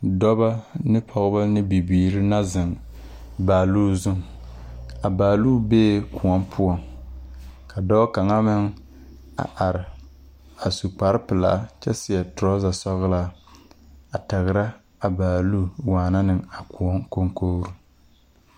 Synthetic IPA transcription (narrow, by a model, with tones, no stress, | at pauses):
dɔ˦ba˦nɨ˦pʰɔ˨ɣba˦nɪ˦bi˨biː˨ɾɪ˦na˦zɪ˨ŋ | baː˨luː˦zʊ˦ŋ | a˨baː˨luː˦beː˦ku˨ɔ˦mpʰʊ˦ɔ˨ŋ | ka˨dɔː˦ka˨ŋa˦mɪ˦ŋ | a̰˨ʔa˨ɾɪ˨ | a˨su˨k͡pa˨ɾɪ˦pɨ˨la̰ː˦t͡ʃɛ˦sɪ˨a˨tʊ˨ɾɔ˦za˨sɔ˦ɣla˦ | a˨ta˨ɣɨ˨ɾa˦ | a˨baː˨luː˦˨waː˨na˦nɨ˨ŋa˨ku˨ɔ˦ŋko˦ŋkoː˦ɾu˦